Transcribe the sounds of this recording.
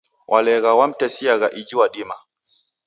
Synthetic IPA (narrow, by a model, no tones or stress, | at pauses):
wʔalɛɣawam̩tɛsiaɣaʔid͡ʒiwaɗima